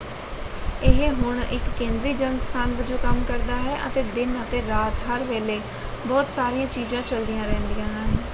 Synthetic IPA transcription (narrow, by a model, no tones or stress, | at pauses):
ɪɦeːɦʊɳɪ̰kːẽːnd̪ɾiːd͡ʒəŋɡst̪ʰaːnʋəd͡ʒõːkəmkəɾd̪aːɦɛːʔə̰t̪eːd̪ɪnət̪eːɾaːt̪ɦəɾʋeːleː | bɔːt̪saːɾijãːt͡ʃiːzãːt͡ʃəld̪ijãːɾɛ̃ːnd̪ijãːɦɛː